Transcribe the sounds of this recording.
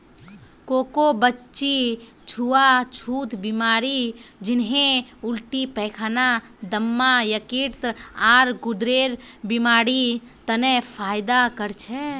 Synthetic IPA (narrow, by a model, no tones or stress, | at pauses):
kokobətːt͡ʃːʃi | t͡ʃʰuat͡ʃʰuːt̪bimaːɾid͡ʒɪnɦẽʊlʈipɛkʰana | d̪əmːajəkiɾt̪aɾɡʊd̪ɾeɾbimaːɾi | t̪ənepʰajd̪akəɾt͡ʃʰɛ